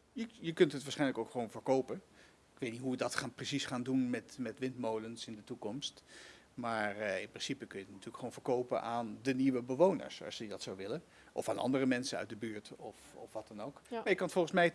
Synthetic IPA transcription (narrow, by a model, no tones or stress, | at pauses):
jəjəkɵntɦətʋaːsχɛjnləkowkχʋownvəɹkowpən | ɪkʋejtnitɦujədɑtχaːnprisisχaːndunmɛtmɛtʋɪntmowlənsɪndətukɔmst | maːrɪ̰nprɪnsipəkɵnjənatyːləkχəʋownvəɹkowpə̰nʔaːndəniʋəbəʋownə̰ɹsɑ̰səddɑtsowʋɪlən | ʔɔ̰faːnʔɑ̰ndərəmɛnsənœ̰ɥt̚dəbyːɹtɔfɔfʋɑtɑnowkmaːjəkɑnətfɔlˠχənsmɛj